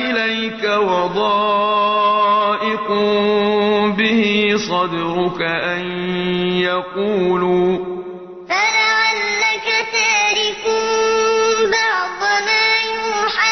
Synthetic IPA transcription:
ɪlajkawɑd̪ˤɑː | ʔɪkʊ | bɪhisˤɑd̪ɾʊkaʔanjaquːluː | falaʕalːakataːɾɪkʊm | bɑʕd̪ʊmaːjʊħa

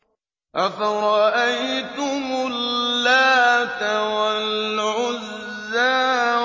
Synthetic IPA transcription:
ʔafaɾˤɑʔajt̪ʊmʊlːaːt̪awalʕʊzː | a

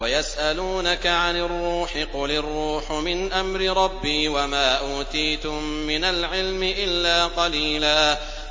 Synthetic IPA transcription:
wajasʔaluːnakaʕanɪrˤːuːħɪqʊlɪrˤːuːħmɪnʔamɾɪɾˤɑbːiːwamaːʔuːt̪iːt̪ʊmːɪnalʕɪlmɪʔɪlːaːqɑliːlaː

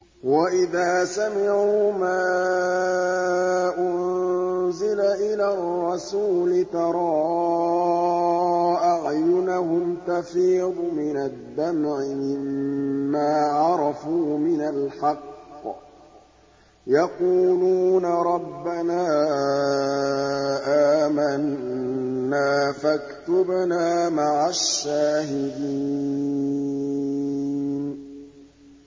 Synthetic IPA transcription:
waʔɪðaːsamɪʕuːmaː | ʔʊnzɪlaʔɪlarˤːɑsuːlɪt̪ɑɾˤɑː | ʔaʕjʊnaɦʊmkafiːd̪ˤʊmɪnad̪ːamʕɪmɪmː | aːʕɑɾˤɑfuːmɪnalħɑqː | jɑquːluːnaɾˤɑbːanaː | ʔaːmanː | aːfakt̪ʊbnaːmaʕaʃːaːhɪd̪i | n

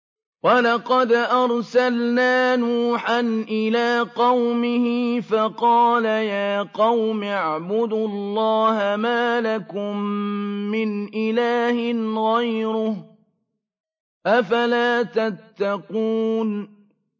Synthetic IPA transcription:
wɑlɑqɑd̪ʔɑɾˤsalnaːnuːħanʔɪlaːqɑwmɪhɪfɑqɑːlajaːqɑwmʕbʊd̪ʊlˤːɑːhamaːlakʊmː | ɪnʔɪlaːhɪnɣajɾʊh | ʔafalaːt̪at̪ːaquːn

